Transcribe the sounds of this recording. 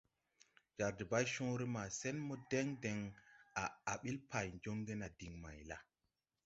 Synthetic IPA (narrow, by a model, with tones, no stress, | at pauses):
d͡ʒa˨ɾdi˨ba˦jʃũ˦ɾi˦ma˨se˦nmo˦de˦ŋde˨ŋa˨a˨ɓi˦lpʰa˨jnd͡ʒo˦ŋɡe˦na˨di˨ŋma̰˨jla˦